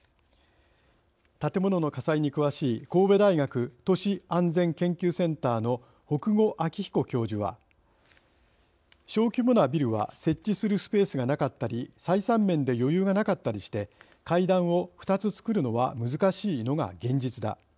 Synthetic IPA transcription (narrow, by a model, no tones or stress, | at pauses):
t̪at̪e̞mo̞no̞no̞kasaiɲ̟ikɯ̟βaɕiːko̞ːbe̞d̪aiɡakɯ̟t̪o̞ɕiãnd͡zẽ̞ŋkẽ̞ŋkʲɨːsẽ̞nt̪aːno̞ | ho̞kɯ̟ɡo̞ʔakʲiçi̥ko̞kʲo̞ːʑɨβa̰ | ɕo̞ːkʲimonabʲiɾɯ̟βa̰se̞t͡ɕːisɨɾɯ̟sɨ̥pe̞ːsɨɡanakat̪ːaɾʲisaisãmːẽ̞nd̪e̞jo̞jɯːɡanakat̪ːaɾʲiɕi̥t̪e̞ | kaid̪ãɰ̃o̞ɸɯ̟̥t̪at͡sɨt͡sɨ̥kɯ̟ɾɯ̟no̞βa̰mɯ̟zɨkaɕiːno̞ɡa̰ɡẽ̞ɲ̟d͡ʑit͡sɨd̪a̰